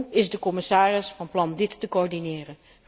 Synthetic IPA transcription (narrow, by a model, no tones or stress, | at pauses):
ɪzdəkɔmɪsaːrɪsfɑnplɑndɪtːəkoɔɹdinɪːrən